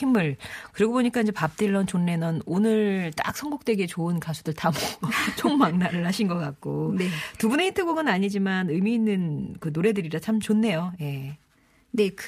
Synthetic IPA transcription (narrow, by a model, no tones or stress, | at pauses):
imɯɭkɯɾiɡoboɲik͈aind͡ʑe̞pap̚t͈iɭːʌnt͡ɕonːe̞nʌnonɯɭt͈a̰k̚s͈ʰʌŋɡok̚t͈we̞ɡe̞t͡ɕoɯnkasʰudɯɭtamot͡ɕʰoŋmaŋnaɾɯɭhaɕʰinɡʌk͈ak̚k͈onetubune̞intʰɯɡoɡɯnaɲid͡ʑimanɯmiːnːɯnkɯnoɾe̞dɯɾiɾat͡ɕʰamt͡ɕonːe̞joje̞ | nek